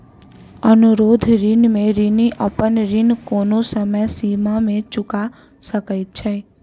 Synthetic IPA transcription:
ənʊɾoːd̪ʱɾɪnmẽɾɪniʔəpənɾɪnkoːnosəməjsiːmamẽt͡ʃʊka | səkəɪt̪̚t͡ʃʰɛ

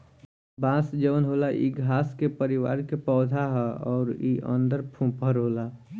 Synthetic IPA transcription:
bãːsd͡ʒəʋənɦoːlaʔḭɡʱaːskepəɾiwa̰ːɾkepɔːd̪ʱaɦɛɔːɾiʔə̰̃nd̪əɾpʰũpəɾɦoːla

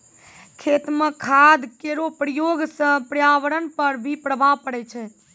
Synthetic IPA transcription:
kʰet̪mekʰad̪keɾopɾəjoɡsə̃pɾjaʋəɾənpəɾbʱipɾəbʱapəɽɛt͡ʃʰɛ

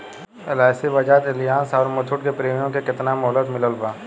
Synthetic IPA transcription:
ɪlaːɪsiʋɐd͡ʒat̪ɪlɪjaːsɔːɾmʊt̪ʰʊʈkepɾeːmjõkekɪt̪namɔɦlət̪mɪləlbaː

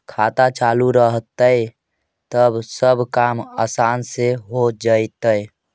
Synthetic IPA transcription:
kʰaːt̪at͡ʃaluɾəɦt̪əj | t̪əbsəbʱkamasanseɦod͡ʒajt̪əj

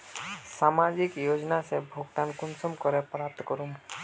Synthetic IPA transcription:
samad͡ʒikjod͡ʒnasebʱoɡt̪ankʊnsɔmkɔɾepɾap̚t̪kɔɾum

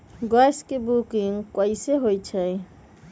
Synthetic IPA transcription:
ɡajskebukiŋɡkɔiseɦojt͡ʃʰəj

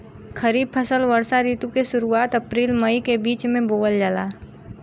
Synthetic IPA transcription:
kʰəɾiːb̚pʰəsəlʋəɾsaɾiːt̪ũkesʊɾuaːt̪ɐpɾiːlmɐikebiːt͡ʃmẽboːəld͡ʒalaː

